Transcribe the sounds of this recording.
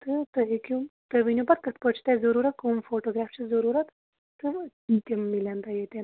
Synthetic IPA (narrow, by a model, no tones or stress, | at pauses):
t̪ɨt̪əɦikumt̪əʋinʲubɐt̪̚kɐt̪ʰpət͡ʃʰt̪azəɾuɾɐt̪̚kumfoːʈoɡɾaːft͡ʃʰizəɾuɾɐt̪ | t̪ɨ | t̪imːilant̪ajet̪e